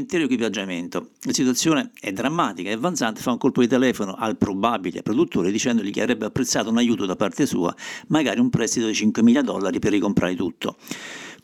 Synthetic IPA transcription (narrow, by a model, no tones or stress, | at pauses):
nt̪ɛɾoekwipad͡ʒːament̪olasit̪wat̪sːjoːneɛd̪ːɾamːaːt̪ikaeavːant̪sant̪e̥fauŋkolpod̪it̪ɛlɛːfonoʔalpɾobabilḛapːɾod̪ut̪ːoːɾed̪it͡ʃɛnd̪oʎikea̰vɾɛbːeapːɾet̪sːaːt̪ounajuːt̪od̪apːart̪esṵːa̰maɡaːɾiumpɾɛst̪it̪od̪it͡ʃiŋkwemiːlad̪ɔ̰lːaɾiperːikompɾʔa̰ːɾet̪ut̪ʰːo̰